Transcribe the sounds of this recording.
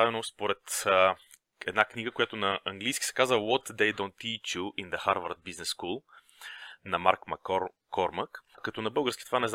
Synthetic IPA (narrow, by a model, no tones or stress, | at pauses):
avɛnospoɾɛt̪ | ɛd̪nakniɡəkojat̪onɐɐŋɡlʲijskʲi̥sɛ̥kazəwɔt̪d̪ɛjd̪ɔ̃nt̪ːit͡ʃjuʔind̪əxaɾvə̰ɾt̪̚biznɛsːkulˠ | nɐma̰ɾkmɐk | kɔɾməkkɐt̪ɔnɐbɤlˠɡəɾsk̟i̥t̪ovanɛz